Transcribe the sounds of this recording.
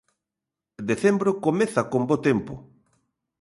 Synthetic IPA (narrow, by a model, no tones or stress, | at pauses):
d̪eθembɾokomeθakombot̪empʊ